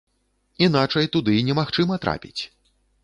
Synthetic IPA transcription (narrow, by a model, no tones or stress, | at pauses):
in̪at͡ʂɐjt̪ud̪ɨnʲɛmaxt͡ʂɨmɐt̪ɾʔa̰pʲit͡sʲ